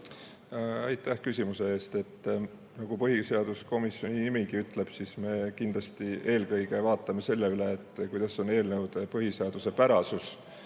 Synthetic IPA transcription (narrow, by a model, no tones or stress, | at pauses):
ɑjt̪ːˑæhkysʲimuse̞eːst̪e̞t̪ː | nɑɡ̥upɤɦise̞ɑd̪̥usko̞misːjo̞nʲinimiɡiyt̪ːˑle̞b̥sisme̞ːkind̪lɑst̪ie̞ːlkɤjɡ̥e̞vɑːt̪ˑːɑme̞se̞lːe̞yle̞ːt̪ːˑkujd̪ɑso̞ne̞ːlnewd̪̥epɤɦiseɑd̪̥use̞pæɾɑsus